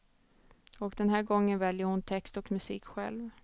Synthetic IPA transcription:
ɔkd̪ɛnɦæːɾɡɔŋːənvɛljəɾhʊnt̪ʰɛkst̪ɔkmɵsiːkɧɛ̰lv

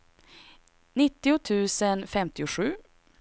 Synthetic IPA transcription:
nɪt̪ːɪʊt̪ʰʉ̟ːsənfɛmt̪ɪʊɧʉ̟ː

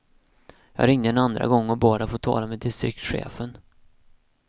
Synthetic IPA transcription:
jɑ̰ːɡɾɪŋd̪əɛnand̪ɾa̰ɡɔŋːɔbɑːd̪afoːt̪ʰɑ̰ːlamɛd̪ɪst̪ɾɪk̚t̪ɧḛːfən

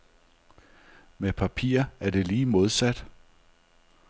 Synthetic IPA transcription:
mepʰæpʰḭːɐæɐd̥e̝liːmo̝ð̞ˠsæd̥

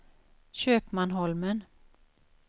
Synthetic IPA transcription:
ɕøːpmanɦɔlmən

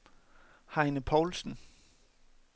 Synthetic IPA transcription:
hɑ̈ɪnəpʰɒʊlsn̩

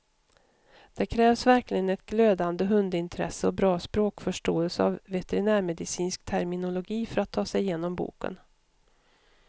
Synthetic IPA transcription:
d̪̥ɛkʰɾɛːvsvæɾklɪɡənɛt̪̚ɡløːd̪and̪əɦɵnd̪ɪnt̪ʰɾɛ̰səɔbɾɑːspɾoːkfœʂʈoːəlsəavːɛt̪ɛɾɪnæːɾmɛd̪ɪsiːnskt̪ʰæɾmɪnʊlʊɡiːfœɾat̪ʰːɑːsɛjɪjeːnɔmbṵːkə̰n

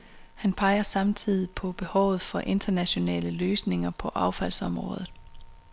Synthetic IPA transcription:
hænpʰɑ̈ɪɐsɑ̈mt͡sʰið̞̰ˠipʰɒ̽b̥e̝hɒʊð̞̩ˠfɒ̽ʔe̝nd̥ɐnæɕo̝nɛ̰ːləløːsne̝ŋɐpʰɒ̽ʔɑ̈ʊfæl̰sɒ̽mʁɔ̰̽ːðˠð̩ˠ

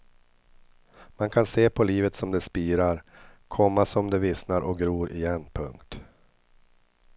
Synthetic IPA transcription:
mankʰanseːpʰɔliːvət̪sɔmd̪ɛspiːɾaɾkʰɔmːasɔmd̪ɛvɪsnaɾʔɔk̚ɡɾuːɾʔɪ̰jɛnːpʰɵ̰ŋkt̪

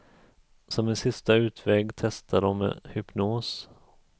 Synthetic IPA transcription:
sɔmɪnsɪst̪aʉ̟ːt̪ʰvɛːɡt̪ʰɛst̪ʰaɖɔmːḛhʏpnoːs

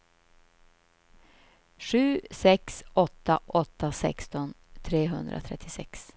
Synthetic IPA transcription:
ʂʉ̟ːsɛksɔt̪ːaʔɔt̪ːasɛ̰kst̪ɔnt̪ʰɾeːɦɵnd̪ɾʔa̰t̪ʰɾɛt̪ʰːɪsɛks

